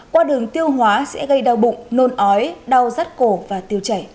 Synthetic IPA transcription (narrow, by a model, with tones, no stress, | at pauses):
kwaː˧ɗɨ˨˩əŋt̪i˧əwɦwaː˨˦sɛ̰˧˥ɣə˧jɗaː˧wɓʊ̰˧˨ŋ͡mno˧nʔɔ˨˦jɗa˧wzaː˦˥t̚ko˧˩vaː˨˩t̪i˧əwt͡ɕa˧˩j